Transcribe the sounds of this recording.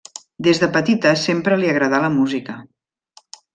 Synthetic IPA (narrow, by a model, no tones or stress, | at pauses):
d̪ezðəpət̪it̪əsempɾəliəɣɾəðaləmuzikə